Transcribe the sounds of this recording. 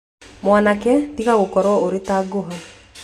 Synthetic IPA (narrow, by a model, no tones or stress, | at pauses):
mwanakɛtiɣaɣokɔɾwɔoɾetaɡoɦa